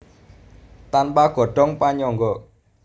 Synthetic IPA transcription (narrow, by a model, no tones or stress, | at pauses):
t̪anpaɡ̥ɔ̤ɖ̥ɔ̤ŋpaɲɔŋɡɔ